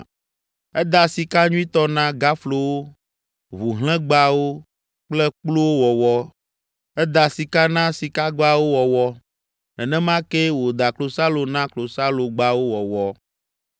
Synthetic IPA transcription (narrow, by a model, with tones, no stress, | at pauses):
ɛ˦d̪a˨si˨ka˦ɲũ˦ĩ˦t̪ɔ˦nã˦ɡa˦flo˨wo˦ | βu˨ɦl̃ɛ̃˦ɡ͡ba˦wo˦ | k͡plɛ˦k͡plo˦wo˦wɔ˨wɔ˦ | ɛ˦d̪a˨si˨ka˦nã˦si˨ka˦ɡ͡ba˦wo˦wɔ˨wɔ˦ | nɛ̃˨nɛ̃˦mã˦ke˦wo˨d̪a˨klo˨sa˦lo˨nã˦klo˨sa˦lo˨ɡ͡ba˦wo˦wɔ˨wɔ˦